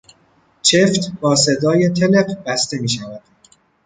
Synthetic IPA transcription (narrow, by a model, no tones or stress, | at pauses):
t͡ʃʰe̞ft̪bɒːse̞d̪ɒːje̞t̪ʰele̞qb̥æst̪e̞miːʃævæd̪̥